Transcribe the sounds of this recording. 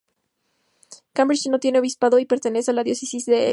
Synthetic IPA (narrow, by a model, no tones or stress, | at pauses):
kãmbɾit͡ʃno̞t̪je̞ne̞oβispaðo̞ipe̞ɾt̪e̞ne̞sealaðjo̞se̞sizðe̞